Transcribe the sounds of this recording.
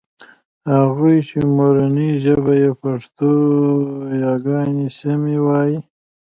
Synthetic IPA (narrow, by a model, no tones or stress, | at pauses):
haɣujt͡ʃimoɾaniʒəbajepaʂt̪o | jɑɡɑnisamiwɑːji